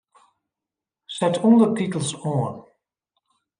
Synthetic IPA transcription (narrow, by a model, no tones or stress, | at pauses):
sɛtʰɔndətitəl̩ˠsɔːən